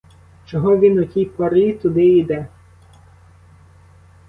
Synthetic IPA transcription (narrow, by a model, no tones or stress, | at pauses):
t͡ʃɔɦɔʋʲinɔkʲijpɐɾit̪ʊd̪ɪid̪ɛ